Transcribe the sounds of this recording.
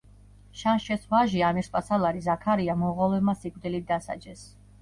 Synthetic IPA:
ʃanʃɛsvaʒiamɛɾspʼasalˠaɾizakʰaɾiamɔʁɔlɛmasikʼvd̪ilit̪̚d̪asa̰d͡ʒɛs

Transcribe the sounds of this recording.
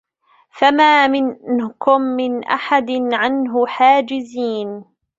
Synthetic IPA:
famaːmɪnkʊmːɪnʔa̰ħad̪ɪnʕanɦʊħaːd͡ʒɪziːn

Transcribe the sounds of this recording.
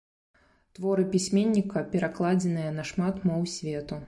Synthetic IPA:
t̪vɔɾɨpʲisʲmʲenʲːikɐpʲɛɾaklˠad͡zʲɛnɨjɐnɐʂmat̪mɔwsʲvʲɛt̪u

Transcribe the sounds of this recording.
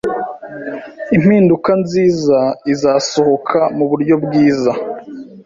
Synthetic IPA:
im̥hiːndukanziːzaizaːso̞ho̞kʰamuβuɾɟo̞bɡiːza

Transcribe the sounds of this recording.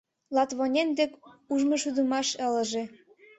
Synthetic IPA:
lɑt̪βonʲend̪ekuʒmŏʃud̪ə̆mɑʃə̆lə̆ʒĕ

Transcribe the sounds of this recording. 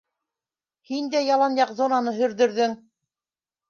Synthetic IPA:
hind̪æjɑlˠɑnjɑqzonɑnɤɦɵ̆ɾðɵ̆ɾðɘŋ

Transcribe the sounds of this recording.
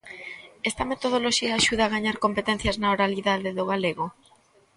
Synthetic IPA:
ɛst̪ɐmet̪oð̞oloʃiaːʃuð̞aɣaɲaɾkompet̪ɛn̟θjaznaoɾaliðaðeðoɣ̞aleɣo

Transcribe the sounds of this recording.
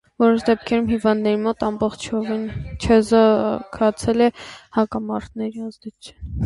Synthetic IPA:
vɔɾɔʃd̪ɛp̚kʰɛɾumhivɑnd̪nɛɾimɔt̪ɑmbɔχt͡ʃʰvɛnt͡ʃʰɛzəkʰɑt͡sʰɛlɛhɑkɑmɑɾt̪nɛɾiɑzd̪ɛ̥t͡ʃʰɛ

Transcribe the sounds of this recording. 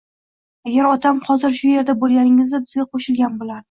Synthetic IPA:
aɡʲaɾɒt̪ʰamhɒzɪɾʃʊje̞ɾd̪abolˠɡʲanɪŋɪzd̪abɪzɡʲaqʰoʃɪlɡʲanbolaɾd̪ɪ

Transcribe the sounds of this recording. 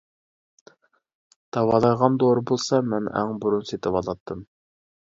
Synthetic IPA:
d̪̥ɑwɑlˠɑjʁɑnd̪oɾɨbolˠsɑmɛnæ̰ŋbuɾunset̪ʰɪpɑlˠɑt̪ʰːɨm

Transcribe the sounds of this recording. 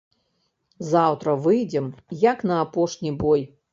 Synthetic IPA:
zawt̪ɾɐvɨjd͡zʲɛmjɐknɐːpɔʂnʲibɔj

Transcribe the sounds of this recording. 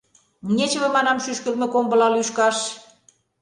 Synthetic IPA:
mnʲet͡ɕə̆βĕmɑnɑmʃyʃkə̆lmĕkombə̆lɑlyʃkɑʃ

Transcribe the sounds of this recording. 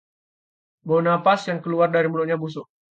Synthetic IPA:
bonapasjaŋkəluardaɾimulʊʔɲabus̬ʊ

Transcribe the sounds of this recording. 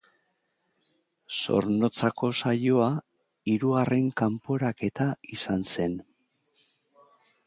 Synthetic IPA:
so̞̰ɾno̞t͡sako̞sajo̞a | iɾuare̞ŋkampo̞ɾake̞t̪aisanse̞n

